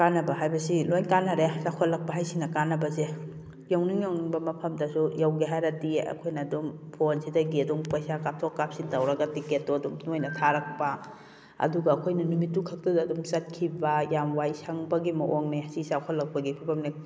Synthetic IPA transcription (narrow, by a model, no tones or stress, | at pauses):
kanɐbɐɦajbɐsilojnkanːɐɾesakʰɔtlɐk̚pɐɦajsinɐkanːɐbɐze | jawniŋjawniŋbɐmɐpʰɐmdɐsujawɡeɦajɾɐdiɐ̰kʰojnɐdumpʰonsidɐɡiɐduŋpɐjsakap̚tʰokːap̚sintawɾɐɡɐtiketːoɐdumnojnɐtʰaɾɐk̚bɐ | ɐ̰duɡɐːkʰojnɐnumitːukʰɐk̚tɐdaːdumsɐt̚kʰibɐjamwajsaŋbɐɡimɐʔoŋnesisakʰɔlːɐk̚pɐɡipʰipʰɐmne